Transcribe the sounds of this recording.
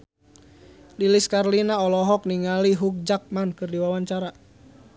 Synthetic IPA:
liliskarlinaɔlɔɦɔk̚niŋaliɦuk̚d͡ʒak̚mankɨrdiwawaɲt͡ʃaɾa

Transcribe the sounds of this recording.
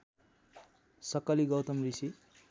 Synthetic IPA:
sʌkːʌliɡʌwt̪ʌmrisi

